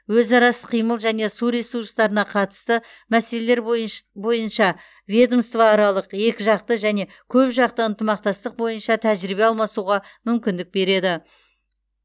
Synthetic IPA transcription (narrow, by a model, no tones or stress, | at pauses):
wɵzɑɾɑsə̥qʰijməlˠʒæne̞suɾesurst̪ɑɾənɑqʰɑt̪ə̥st̪ə | mæse̞le̞le̞ɾbobo̞jənʃɑ | vʲe̞d̪omst̪vɑːɾɑlˠəqje̞kʲɪʒɑq̚t̪əʒæne̞ | kʲʰɵpʒɑq̚t̪əənt̪əmɑq̚t̪ɑst̪əq̚bo̞jənʃɑt̪ʰæʒɾɪbe̞ɑlˠmɑsuʁɑmʏmkʲɪnd̪ɪk̚be̞ɾe̞d̪ɪ